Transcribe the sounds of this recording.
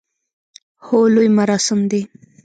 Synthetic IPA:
holojmaɾɑsɪmd̪e

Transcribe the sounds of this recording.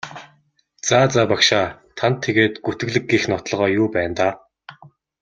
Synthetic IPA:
t͡saːt͡saːpakʃaːt̪ʰant̪ʰːeɣeːt̪ɡut̪ɘ̆ɣɮɘ̆ɡ̚ɡixnɔt̪ɮʁœːjuːpæːnt̪aː

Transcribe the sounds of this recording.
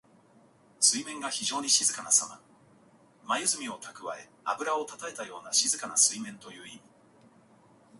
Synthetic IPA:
sɨimẽ̞ŋɡaçiʑo̞ːɲ̟iɕizɨkanasama̰ | majɯ̟zɨmʲio̞t̪ʰakɯ̟βae̞ | abɯ̟ɾao̞t̪at̪ae̞t̪ajo̞ːnaɕizɨkanasɨimẽ̞nt̪o̞jɯ̟ːimʲi

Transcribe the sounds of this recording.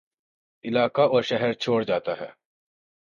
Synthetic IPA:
ɪlaːkaɔːɾʃɛɦɛɾt͡ʃʰoːɽd͡ʒaːt̪aɦɛ̰ː

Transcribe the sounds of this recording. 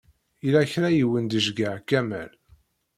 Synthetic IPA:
ilæçɾæjiwənd̪əʒɡəʕkːæmæ̰l

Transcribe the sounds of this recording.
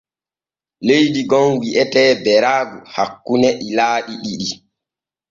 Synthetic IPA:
lejdiɡɔnwiʔɛtɛːbɛɾaːɡuhakːunɛʔilaːɗiɗiɗi

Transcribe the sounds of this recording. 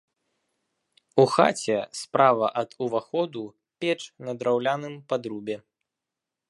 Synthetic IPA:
uxa̰t͡sʲɛspɾʔavɐʔɐd̪uvaxɔd̪u | pʲɛt͡ʂnɐd̪ɾawlʲanɨmpad̪ɾubʲɛ

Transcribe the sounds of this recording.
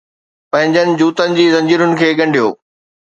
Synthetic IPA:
pɐ̃ɦɪ̃ɲd͡ʑənɪ̆d͡ʑuːt̪ənɪ̆d͡ʑiːzɐ̃ɲd͡ʑiːɾʊnɪ̆kʰeːɠɐ̃ɳɖʱijo̰ː

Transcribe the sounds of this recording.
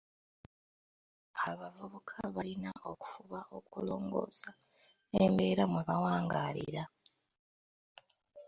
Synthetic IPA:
aβavuβukʰaβalinaʔo̞ku̥fuβao̞kulo̞ːŋɡo̞̰ːsa | embe̞ːɾamweβawaːŋɡaːlḭɾa

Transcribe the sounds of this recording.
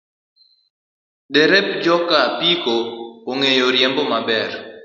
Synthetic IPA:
deɾɛp̚d͡ʒɔkapikooŋejoɾjembɔmabɛr

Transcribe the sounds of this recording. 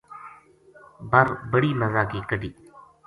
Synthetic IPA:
bəɾbəɽiːməzaːkiːkəɖiː

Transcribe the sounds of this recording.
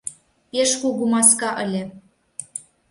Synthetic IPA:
peʃkuɣumɑskɑʔə̰̆lʲĕ

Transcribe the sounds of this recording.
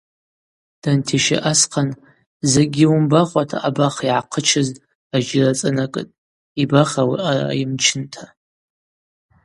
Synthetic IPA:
d̥antʰiʃɪ̰ʔasqʰan | zeɡʲiumbaχʷʼatʰa̰ʔabaχiʕaqʰət͡ʃʰɨz | aʒɪrat͡sʼɨnakʼɨ̰tʼ | ibaχawiʔara̰imt͡ʃʰɪntʰa

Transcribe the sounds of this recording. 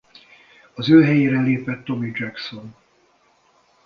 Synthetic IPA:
ɒzøːɦɛjeːɾɛleːpɛt̪ːo̞mid͡ʒɛkso̞n

